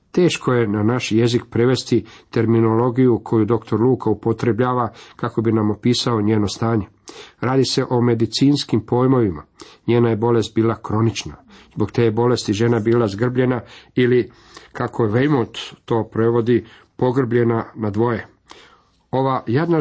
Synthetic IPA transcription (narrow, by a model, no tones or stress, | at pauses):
t̪e̞ːʃkʰo̞je̞nanaʃje̞zikpɾeʋe̞st̪it̪e̞ɾmino̞lo̞ɡijukʰo̞jud̪o̞kt̪o̞ɾluːkaupo̞t̪ɾe̞bʎaːʋakako̞binamopiːsao̞ɲe̞ːnost̪aːɲe̞ | ɾaːd̪ise̞ʔo̞me̞d̪it̪siːnskimpo̞ːjmo̞ʋima̰ɲeːnajebo̞le̞st̪̚biːlˠakɾo̞nit͡ʃnazbo̞kt̪eːbo̞le̞st̪iʒe̞nabiːlazɡr̩bʎe̞naili | kakoʋejmont̪ːo̞ːpɾe̞ʋo̞d̪i | po̞ɡr̩bʎe̞nanad̪ʋo̞je̞ | o̞ʋajed̪na